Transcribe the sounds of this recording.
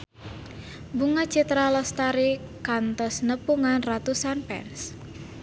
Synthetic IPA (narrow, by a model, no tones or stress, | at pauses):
buŋḁt͡ʃit̪ɾalɔst̪aɾikant̪ɔsnəpuŋanrat̪usanpɛ̰ns